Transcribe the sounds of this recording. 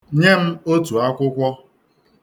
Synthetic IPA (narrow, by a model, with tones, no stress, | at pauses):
ɲe˦m̩˦o˦tu˨a˦kʷʊ˦kʷɔ˦